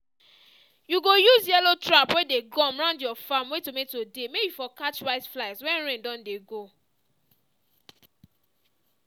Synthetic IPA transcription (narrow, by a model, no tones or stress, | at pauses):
juɡojuzjɛlotɹapwedeɡɔ̃mɹãʊ̃ndjɔfamwetometodemebjifɔkat͡ʃɹaɪsflaɪswɛ̃nɹẽndɔ̃ndeɡo